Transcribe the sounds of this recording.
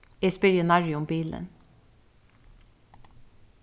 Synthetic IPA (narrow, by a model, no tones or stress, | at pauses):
iːspɪɾɪʊnɑɹɪʊmbiːlə̰n